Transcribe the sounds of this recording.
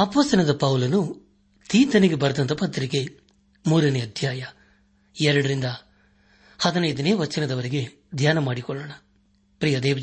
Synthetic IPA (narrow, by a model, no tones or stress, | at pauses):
ɐpɐsɐnɐd̪ɐpɐwulɐnu | t̪iːt̪ɐniɡebɐɾɐd̪ɐnt̪ɐpɐt̪ːɾiɡe̞ | muːɾɐneɐd̪ʱjaːjɐ | ɛɾɐɽɐɾind̪ɐ | hɐd̪ɐnɐjd̪ɐneːʋɐt͡ʃːinɐd̪ɐʋɐɾiɡe | d̪ʱjaːnɐmaːɽikɔɭːɐɳɐ | pɾiːjɐd̪ɛːʋɐ